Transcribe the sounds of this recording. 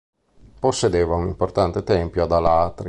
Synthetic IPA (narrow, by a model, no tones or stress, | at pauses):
posːed̪eːvaunimport̪ant̪et̪ɛmpjoad̪alat̪ɾi